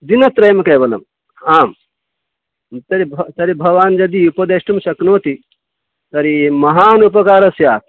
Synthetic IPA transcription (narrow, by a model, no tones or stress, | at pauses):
d̪inɐt̪ɾɐjɐmɐkɐjbɐlɐ̰m | aːm | t̪ɐɾibʱɐt̪ɐɾibʱɐʋaːnd͡ʒɐd̪iupɐd̪eʂʈumʃɐknoːt̪i | t̪ɐɾimɐɦaːnupɐkaːɾɐsjaːt̪̚ʰ